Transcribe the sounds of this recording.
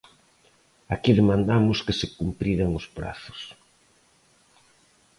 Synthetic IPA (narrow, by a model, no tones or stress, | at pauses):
akiðemãnd̪amʊskesekumpɾiɾaŋʊspɾa̰θʊ̥s